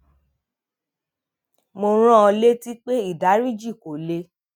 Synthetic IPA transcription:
mo˧ɾ̃ã˦ɔ˧le˦ti˦k͡pe˦i˦˨da˨˦ɾi˦˨d͡ʒi˦˨ko˨le˧˦

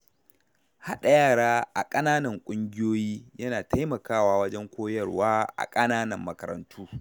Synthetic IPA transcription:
ha˦ɗa˨jaː˦˨ɽaː˦ʔa̰˨kʼɐ˦naː˦nɐ˨ŋkʷʼʊ˦ŋɡʲɪ˦joː˦jiː˦jɐ˦naː˨tʰa˦jmɐ˨kaː˦waː˨wɐ˦d͡ʒɛ˦ŋkʷoː˦jɐ˦˨rwaː˦ʔa̰˨kʼɐ˦naː˦nɐ˨mːɐ˨kɐ˨ɾɐ̰˨ntʰuː˦

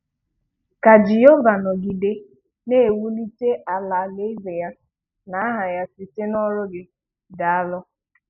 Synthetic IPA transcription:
ka˨d͡ʒi˨jo˦va˨nɔ˨ɡi˨de˦ | ne˦˨wu˦li˦te˦ʔa˨la˨le˦vɪ˨ja˦ | na˨˦a˦ɦa˨ja˦si˨te˦nɔ˦ɾʊ˦ɡɪ˦ | da˨a˦lʊ˦

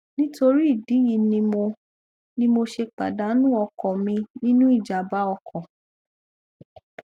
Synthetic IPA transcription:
nĩ˦to˧ɾi˦i˦˨di˨˦ji˧nĩ˧mo˧ | nĩ˦mo˧ʃe˧k͡pa̰˨da˨˦nũ˦ɔ˧kɔ˨mĩ˧nĩ˦nũ˦i˦˨d͡ʒa˨ba˦ɔ˧kʰɔ̃˨

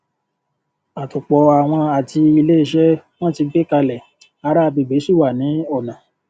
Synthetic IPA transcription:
a˨tu˨k͡pɔ˨a˨w̃ɔ̃˧a˨ti˧i˧le˦i˦˧˨ʃɛ˦w̃ɔ̃˦˨ti˧ɡ͡be˦ka˧lɛ˨ | a˨˦ɾa˦˧bi˨be˨˦su˦˨wa˨nĩ˨˦ɔ˦˨nã˨

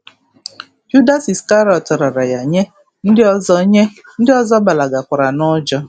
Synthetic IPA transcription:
d͡ʒu˦da˦si˨ska˦ɾɔ˨tɔ˨ɾa˨ɾa˨ja˨ɲe˦ | n̩˦dɪ˦ɔ˨zɔ˦ɲe˦ | n̩˦dɪ˦ɔ˦zɔ˦ba˨la˨ɡa˨kʷa˨ɾa˨nɔ˦d͡ʒɔ˦

